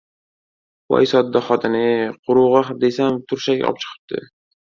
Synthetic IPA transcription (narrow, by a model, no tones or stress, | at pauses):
wɒ̰jsɒd̪ːaχɒt̪ʰɪnɪqʰʊɾuʁɑχd̪esamt̪ʰʊɾʃaɡ̰ʲɒ̰p̚t͡ʃʰɨ̥qʰɨ̥p̚t̪ʰɪ̰